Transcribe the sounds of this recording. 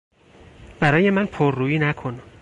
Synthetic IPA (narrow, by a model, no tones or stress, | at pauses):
b̥æɾɒːje̞mænpʰoɾːuːjiːnækʰonæm